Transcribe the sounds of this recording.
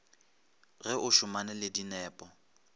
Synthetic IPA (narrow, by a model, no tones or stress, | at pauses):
ɣɛʔʊʃʊmanɛlɪdinɛːpʼɔ